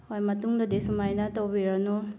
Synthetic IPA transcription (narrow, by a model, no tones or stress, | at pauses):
hojmɐtuŋdɐdisumajnɐtɐwbiɾɐnu